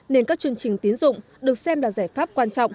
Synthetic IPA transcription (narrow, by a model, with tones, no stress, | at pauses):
ne˧nkaː˦˥k̚t͡ɕɨ˧ənt͡ɕï˨˩ŋ̟t̪i˨˦ənzʊ̰˧˨ŋ͡m | ɗɨ˨˩ək̚sɛ˧mlaː˨˩zaː˧˩jfaː˦˥p̚kwaː˧nt͡ɕɔ̰˧˨wŋ͡m